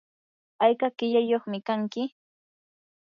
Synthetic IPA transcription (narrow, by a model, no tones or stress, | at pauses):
ajkakɪʎajoχmɪkaŋkɪ